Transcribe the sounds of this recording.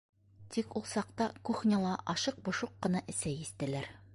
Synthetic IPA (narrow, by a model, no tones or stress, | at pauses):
t̪ikulˠsɑqt̪ɑkuχnʲɑ̆lˠɑʔɒʃɤq̚bŏʃuqːɤ̆nɑʔɘ̆sæjist̪ɘ̆læɾ